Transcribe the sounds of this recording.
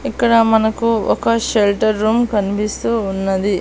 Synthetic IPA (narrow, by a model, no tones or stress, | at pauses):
ikːɐɽɐmɐnɐkːuɔ̰kɐʃelʈɐɾːuːmkɐnipist̪uːnːɐd̪i